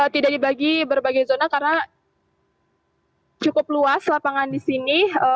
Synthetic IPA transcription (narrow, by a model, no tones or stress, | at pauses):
ət̪idaʔdibaɡibərbaɡajzonakarna | t͡ʃukʊp̚luaslapaŋandisiniə